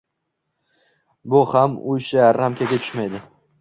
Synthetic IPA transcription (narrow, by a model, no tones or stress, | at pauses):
bʊhamʊʃaɾamkʲʰaɡʲat̪ʰʊ̥ʃmajd̪ɪ